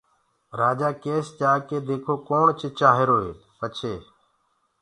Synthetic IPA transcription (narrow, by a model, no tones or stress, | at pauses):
ɾaːd͡ʒaːkeːst͡ʃaːkeːd̪eːkʰoːkoːɳt͡ʃʰɪt͡ʃaːɦeɾoːɦḛː | pət͡ʃʰeː